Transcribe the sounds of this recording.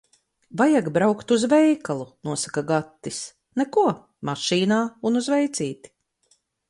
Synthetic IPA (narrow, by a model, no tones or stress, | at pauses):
vajaɡbɾawkt̪uzvɛjkalˠunuɔsakaɡat̪ːis | nɛkuɔ | maʃiːnaːunuzvɛjt̪siːt̪i̥